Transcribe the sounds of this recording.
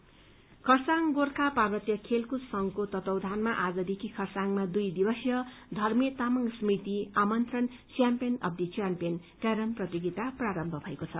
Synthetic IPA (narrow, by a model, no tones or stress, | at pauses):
kʰʌrsaŋɡorkʰaparbʌt̪jʌkʰelkusʌŋkot̪ʌt̪ʌwd̪ʱanmaʔad͡zʌd̪ekʰikʰʌrsaŋmad̪ujd̪ibʌsjʌd̪ʱʌrmjet̪amʌŋɡsmit̪iamʌnt̪rʌn | t͡sjampijʌnʌ̰b̚d̪it͡sjampijʌn | kʌɾʌmprʌt̪iɡit̪apraɾʌmbʱʌbʱʌekot͡sʰʌ